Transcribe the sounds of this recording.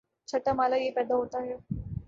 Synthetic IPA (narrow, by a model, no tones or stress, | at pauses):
t͡ʃʰɐʈamaːlajepɛːd̪aɦoːt̪aɦɛ